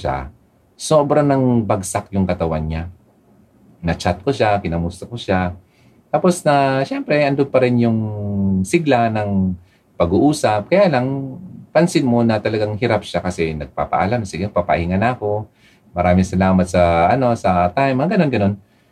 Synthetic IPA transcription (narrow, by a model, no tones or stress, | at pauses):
ʃa̰ | soːbɾanɐŋbɐɡsakjʊŋkɐt̪ɐwanɲa | nɐt͡ʃat̪̚koʃakɪnɐmʊst̪ɐkoʃa | t̪aːpo̞snɐʃɛmpɾɛɐnd̪oɡ̚pɐɾɪnjʊŋsɪɡlanɐŋ | pɐɡuʔuːsɐp̚kɐjaːlɐŋpɐnsɪnmo̞nɐt̪ɐlɐɡaŋhɪɾapʃakɐsɛnɐɡ̚pa̰ːpɐ̰ʔɐ̰lamsɪɡɛpapɐ̰ʔiŋanɐːko̞ | mɐɾaːmɪŋsɐlaːmɐt̪̚sɐʔɐno̞sɐt̪ajmɡɐno̞nɡɐno̞n